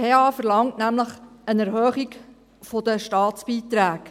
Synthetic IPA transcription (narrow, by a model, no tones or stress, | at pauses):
eɑːfəɾlɑŋtnæmləχənɛɾɦœːχik | fod̪əʃtɑːtt͡sb̥iːt̪ɾæːk